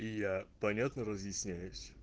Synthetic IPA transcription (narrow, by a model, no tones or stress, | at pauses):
ijapɐnʲat̪nəɾəzjɪsʲnʲæjʊsʲ